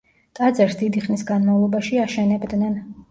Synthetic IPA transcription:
t̪ʼad̪zɛɾsd̪id̪iχnisɡanmavlˠɔbaʃiaʃɛnɛbd̪nɛn

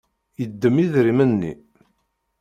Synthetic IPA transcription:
jəd̪ːəmiðɾimənːḭ

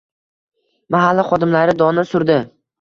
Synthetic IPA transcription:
maɦalːaχɒd̪ɪmlaɾɪd̪ɒnɪsʊɾd̪ɪ

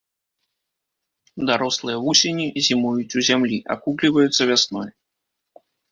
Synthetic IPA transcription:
d̪aɾɔslˠɨjɐvusʲenʲizʲimujut͡sʲuzʲamlʲiʔa̰kuklʲivɐjut̪sːɐvʲasnɔj

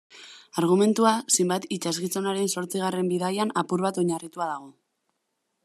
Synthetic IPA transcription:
aɾɣ̞ume̞nt̪uasejmbat̪it͡ʃazɣit͡so̞naɾe̞nso̞ɾt͡siɣ̞are̞mbiðajanapuɾβat̪o̞ɲarit̪uaðaɣ̞o̞

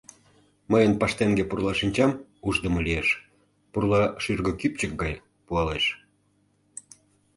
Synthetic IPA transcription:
məjənpɑʃt̪eŋɡepurlˠɑʃinʲt͡ɕɑmuʒd̪əməlieʃ | purlɑʃyrɣəkyp̚t͡ɕək̚ɡɑj | puɑleʃ

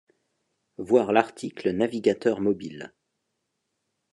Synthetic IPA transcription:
vwaʁlaʁt̪ʰiklənaviɡat̪œʁmɔbil

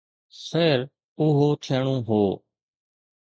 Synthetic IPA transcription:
seːɾ | ʊɦoːt͡ʃʰeːɳ̃õːɦoː

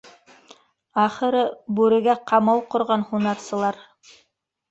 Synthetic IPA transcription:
ɑχɤ̆ɾɤbʉɾɘ̆ɡæqʰɑmɑlˠqŏɾʁɑnhunɑɾsɤ̆lˠɑɾ

